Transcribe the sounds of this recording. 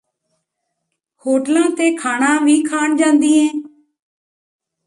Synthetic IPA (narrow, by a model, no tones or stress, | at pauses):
hoːʈlãːt̪eːkʰaːɳãːʋiːkʰaːɳd͡ʒãːnd̪iːɛ̃ː